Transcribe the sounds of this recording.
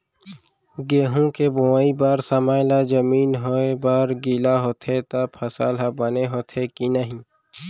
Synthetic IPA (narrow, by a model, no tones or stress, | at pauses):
ɡeːɦũkeboaːibaːɾsɐmaːjlad͡ʒɐmiːnɦoebaːɾɡilaɦoːt̪ʰet̪apʰɐsa̰ːlɦabɐneɦoːt̪ʰekinəɦĩ